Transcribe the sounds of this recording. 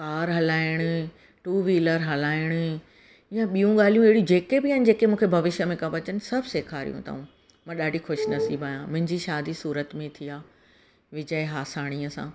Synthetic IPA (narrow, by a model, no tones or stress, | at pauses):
kaːɾɦɐlaːɪɽ̃ʊ̆ | ʈuːʋiːləɾɦɐlaːɪɽ̃ʊ̆ | jãɓijũɠaːl̤ijũeɦɪɽijũd͡ʑeːkebɪjaːnɪ̆d͡ʑeːkemũːkʰebʱɐʋɪʃjəmẽkãʋɐt͡ɕənɪ̆sɐbʱseːkʰaːɾḭjṵ̃t̪ɐ̰ũ | mãːɗaːɖʱixʊʃnɐsiːbʱaːjãmʊ̃ɦɪ̃ɲd͡ʑiʃaːd̪isuːɾət̪mẽt̪ʰijaː | ʋɪd͡ʑəeɦaːsaːɽ̃iəsã̰ː